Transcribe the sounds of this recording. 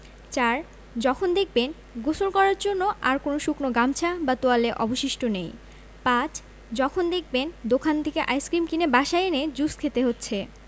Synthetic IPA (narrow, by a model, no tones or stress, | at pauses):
t͡ɕaɾ | d͡ʑɔkʰond̪ek̚ʰben | ɡosolkɔɾaɾd͡ʑonːoʔaɾkonoʃuknoɡamt͡ɕʰabat̪oaleʔɔ̰boʃiʃʈonej | pãt͡ɕʰ | d͡ʑɔkʰond̪ek̚ʰbend̪okʰant̪ʰekeʔajskɾimkinebaʃaened͡ʑuskʰet̪eɦotːɕʰe